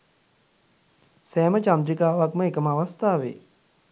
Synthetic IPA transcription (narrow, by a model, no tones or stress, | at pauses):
sɛːmət͡ʃand̪ɾikaːʋakməekəməaʋast̪aːʋḛː